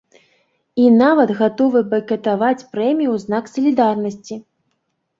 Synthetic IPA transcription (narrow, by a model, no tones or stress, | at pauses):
inavɐd̪ɣat̪ɔvɨbɐkʲɐt̪avat͡sʲpɾɛmʲijuznaksɐlʲid̪arnɐsʲt͡sʲi